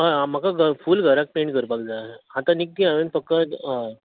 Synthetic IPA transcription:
ɦaam̤əkaɡəfuːlɡʱəɾak̚peɳʈkəɾpakd͡zahãt̪anik̚t̪iaʋenfək̚t̪ə

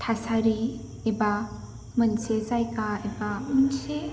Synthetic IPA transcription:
t̪ʰasaɾi | eba | mɯnsezajkaebamɯnse

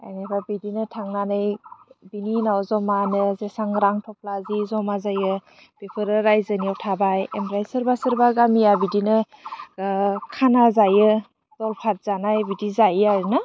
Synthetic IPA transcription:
a̰jnekʰabidinɯtʰaŋnanɯjbininawzɔmanɯzesaŋɾaŋtʰɔp̚lazizɔmazajɯ | b̥epʰɯɾɯɾajzɯniawtʰabajemɾajsɯɾbasɯɾbaɡamijabidinɯ | kʰanazajɯ | z̥ɔlpʰat̚z̥anajbidizajajɾnɯ

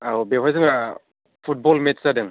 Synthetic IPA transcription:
abewʰazɯŋa | pʰut̚bɔlmetsadɯŋ

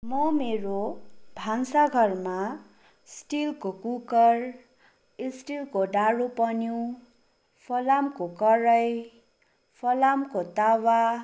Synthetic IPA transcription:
mʌmeɾobʱaŋsaɡʱʌrma | sʈilkokukʌr | isʈilkoɖaɽopʌnjũ | pʰʌlamkokʌɾʌj | pʰʌlamkot̪awa

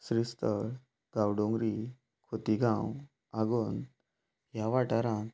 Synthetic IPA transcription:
sɾist̪əɭ | ɡawɖõŋɡɾi | kʰot̪iɡãw | aɡoːn | jaʋaʈaɾã

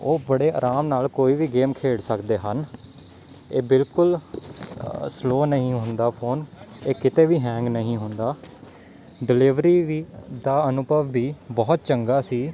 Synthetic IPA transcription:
oːbəɽeːa̰ːɾaːmnaːlkoːiːʋiːɡeːmkʰeːɽsəkd̪eːɦən | eːbɪlkʊl | sloːnəɦĩːɦʊnd̪aːpʰoːneːkɪt̪eːʋiːɦɛ̃ːŋɡnəɦĩːɦʊnd̪aː | ɖɪlɪʋɾiːʋiːd̪aːənʊbəʋːiːbɔːt̪̚t͡ʃəŋɡaːsiː

